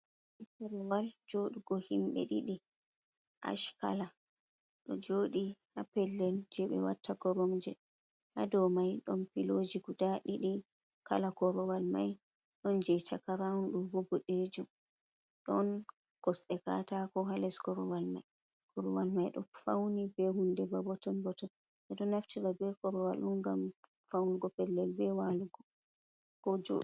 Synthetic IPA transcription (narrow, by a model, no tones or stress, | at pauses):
itɛɾɔwald͡ʒoɗiɡɔhimɓɛ̰ɗiɗi | ʔa̰ʃka̰la | ɗɔ̰d͡ʒoːɗihapɛlːɛld͡ʒɛɓɛ̰wa̰tʰːaɡɔɾɔmd͡ʒɛ̰ | hadɔmajɗɔnpilod͡ʒiɡudaɗiɗi | ka̰lakɔɾɔwalmaj | ɗɔnd͡ʒɛt͡ʃakaɾaunɗumbobɔɗed͡ʒum | ɗɔn | kɔsɗɛka̰takɔɦalɛsɡɔɾɔwalma̰j | kɔɾɔwalmajɗɔ̰fawnibɛhundɛbabɔtɔnbɔtɔn | ʔɛɗɔnaftiɾabɛkɔɾɔwa̰lunɡam | fawniɡɔpɛlːɛlbɛwaluɡɔ | kɔd͡ʒo̰